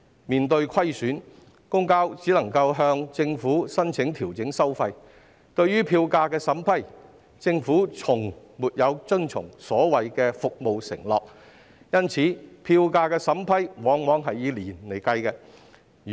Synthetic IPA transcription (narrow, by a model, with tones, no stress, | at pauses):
miː˨nt̪ɵ˧ɥkʰɐ˥jsyː˨˥n | kʊ˥ŋkaː˥wt͡siː˨˥lɐ˨˩ŋkɐ˧wɦœː˧ŋt͡sɪ˧ŋfuː˨˥sɐ˥nt͡sʰɪ˨˥ŋt̪ʰiː˨˩wt͡sɪ˨˥ŋsɐ˥wfɐ˧j | t̪ɵ˧ɥyː˥pʰiː˧wkaː˧kɛː˧sɐ˨˥mpʰɐ˥j | t͡sɪ˧ŋfuː˨˥t͡sʰʊ˨˩ŋ | muː˨t̚jɐ˨˧wt͡sɵ˥nt͡sʰʊ̰˨˩ŋsɔː˨˥wɐ˨jkɛː˧fʊ˨k̚mo˨wsɪ̰˨˩ŋlɔː˨k̚ | jɐ˥nt͡sʰiː˨˥pʰiː˧wkaː˧kɛː˧sɐ˨˥mpʰɐ˥jwɔː˨˥ŋwɔː˨˥ŋɦɐ˨jːiː˧liː˨˩nle˨˩jkɐ˧jkɛː˧